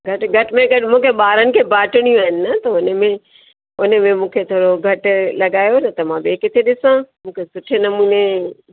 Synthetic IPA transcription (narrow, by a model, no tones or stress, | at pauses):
ɡʱɐʈɡʱɐʈɪmẽɡɐɗɪmũːkʰeɓaːɾənɪ̆kʰeːbaːʈɪɽ̃ijũaːɦɪnɪ̆nɐt̪ɐʊnə̆mẽ | ʊnə̆mẽmũːkʰet̪ʰoːɽoɡʱɐʈʊ̆lɐɠaːjonɐt̪ɐmãbeːkɪt̪ʰeɗɪsãmũːkʰesʊʈʰenɐmuːne